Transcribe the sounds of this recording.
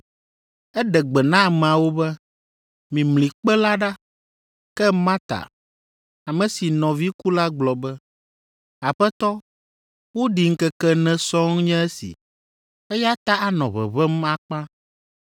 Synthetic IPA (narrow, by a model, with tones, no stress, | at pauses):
ɛ˦ɖɛ˨ɡ͡bɛ˨nã˦˨mɛ̃˨a˨wo˦bɛ˦ | mĩ˨mlĩ˨k͡pɛ˦la˦ɖa˦ | kɛ˦mã˦t̪a̰˨ | a˨mɛ̃˨si˨nɔ̃˨vi˦ku˦la˦ɡ͡blɔ˨bɛ˦ | a˨ɸɛ˦t̪ɔ˦ | wo˦ɖi˨ŋ̩˦kɛ˦kɛ˦nɛ̃˦sɔ˦ŋ˦ɲɛ̃˦ɛ˦sḭ˨ | ɛ˦ja˦t̪a˦a˨nɔ̰̃˨βɛ̰˨βɛ˦m˦a˦k͡pã˦